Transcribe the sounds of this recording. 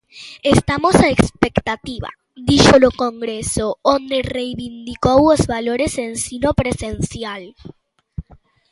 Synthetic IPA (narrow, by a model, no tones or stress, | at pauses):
est̪amosaekspekt̪at̪iβa̰ | d̪iʃolokoŋɡɾesoond̪erejβind̪ikowozβaloɾesensinopɾesensjal